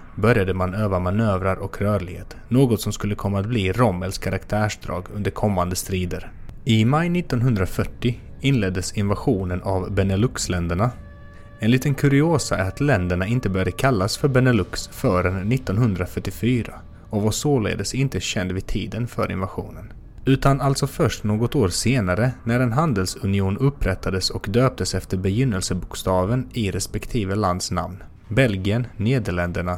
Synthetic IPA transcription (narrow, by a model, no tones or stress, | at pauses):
bœɾjad̪əmanøːvamanøːvɾaɾɔkɾœːɾɭɪɡeːt̪ | noːɡɔt̪sɔmskɵlːəkʰɔnmːaːt̪̚bliːɾɔmɛlskʰaɾʔakt̪ʰæːʂd̪ɾɑ̰ːɡɵnd̪əɾkʰɔmːand̪əst̪ɾiːd̪əɾɪmajnɪt̪ːɔnɦɵnd̪ɾafœʈːɪ | ɪnlɛd̪ːəsɪnvaɧuːnənʔavbɛnalɵkslɛnd̪əɳa | ɛnliːt̪ənkʰɵɾɪoːsaæ̰ɾat̪lɛnd̪əɳaɪnt̪əbœɾjad̪əkʰalːasfœɾbɛnalɵksfœːɾənːɪt̪ːɔnɦɵnd̪ɾafœʈːɪfyːɾa̰ | ɔvasoːlḛːd̪əsɪnt̪əɕɛnd̪vɪd̪̚t̪ʰiːd̪ənfœɾɪ̰nvaɧṵːnən | ʉ̟ːt̪analt̪sɔfœʂʈnoːɡɔt̪oːɾseːnaɾənæɾɛnɦand̪əlsɵnɪuːnɵpːɾɛt̪ʰːad̪əsɔkd̪øːp̚t̪əsɛft̪əɾbɛjʏnːəlsəbʊkst̪ɑːvənɪɾɛspɛkt̪ʰiːvəland̪sna̰mn | bɛlɡɪənːeːd̪əɭɛnd̪əɳa